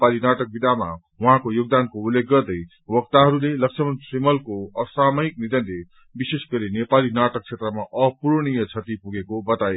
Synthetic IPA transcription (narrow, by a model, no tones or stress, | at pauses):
palinaʈʌk̚bid̪ʱama̰ | wuɦãkojoɡ̚d̪ankoulːek̚ːɡʌrd̪ʌj | wʌkt̪aɦʌɾulelʌksʰʌmʌnsimʌlkoʌsamʌik̚nid̪ʌnle | bisesɡʌɾinepalinaʈʌk̚t͡sʰet̪rʌmaʔʌpuɾɽ̃ijʌt͡sʰʌt̪ipuɡekobʌt̪ae